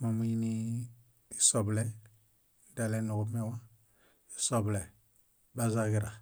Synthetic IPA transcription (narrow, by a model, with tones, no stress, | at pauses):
mo˨mu˦i˦ni˦ | i˦sɔ˨blɛ˦ | n˦da˨lɛ˦nu˨ɡu˦mɛ˦wa˦ | i˦sɔ˨blɛ˨ | ba˦za˦ɡi˦ɾa˨